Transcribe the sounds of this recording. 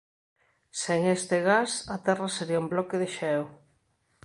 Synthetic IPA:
seŋest̪eɣasat̪ɛraseɾiaumblɔkeðeʃaaɛw

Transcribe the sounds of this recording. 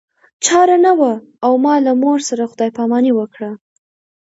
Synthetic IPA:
t͡ʃɑɾanawa | awmɑlamoɾsaɾaxʊd̪ɑjpɑmɑniwəkɽa

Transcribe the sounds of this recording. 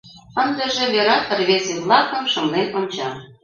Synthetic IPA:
ə̆nd̪ə̆ʒĕβʲeɾɑpə̆rβeseβlˠɑkə̆mʃɤ̆mlenonʲt͡ɕɑ

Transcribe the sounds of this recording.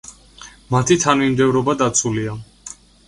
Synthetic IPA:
mat̪ʰit̪ʰanvimd̪ɛvɾɔbad̪at̪sʰulia

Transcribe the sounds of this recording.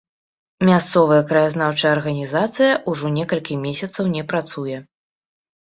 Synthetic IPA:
mʲast̪sɔvɐjɐkɾɐjaznawt͡ʂɐjɐrɣɐnʲizat̪sɨjɐʔuʐɔnʲɛkɐlʲkʲimʲesʲɐt̪sɐwnʲɛpɾat̪sujɛ

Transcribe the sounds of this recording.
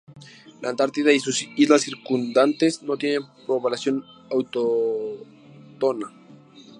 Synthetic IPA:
lant̪aɾt̪iðaisusizlasiɾkund̪ant̪ezno̞t̪jenepɾoβalasjo̞nawt̪o | t̪ona

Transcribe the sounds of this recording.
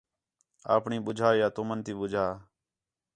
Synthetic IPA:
a̰ːpɳĩːɓʊd͡ʒʱaːjaːt̪oːmənt̪iːɓʊd͡ʒʱaː

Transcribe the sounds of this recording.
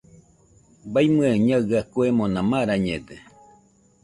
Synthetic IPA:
bajmɨeɲaɡakuemõnãmaɾaɲed̪e

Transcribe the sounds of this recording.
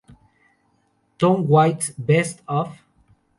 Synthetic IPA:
tɔ̃nwajtsbɛstɔf

